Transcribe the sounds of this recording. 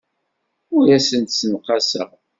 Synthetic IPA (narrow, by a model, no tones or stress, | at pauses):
ʊɾæsənt̪sənqɑsə̰ʁ